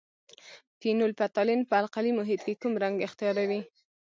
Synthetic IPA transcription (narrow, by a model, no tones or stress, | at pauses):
t̪inʊlpat̪ɑlɪnpəalqalimʊɦɪt̪kekumɾaŋɡɪxt̪ijɑɾawi